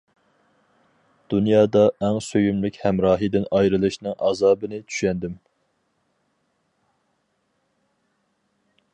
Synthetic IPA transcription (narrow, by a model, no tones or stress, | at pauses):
d̪̥unjɑːd̪ɑɛŋsøjymlɪkʲhɛmɾɑːɦɨd̪ɪnɑjɾɨlˠɨʃnɨŋʔɑ̰ːzɑːbɨnɪt͡ʃʰy̥ʃɛnd̪ɪm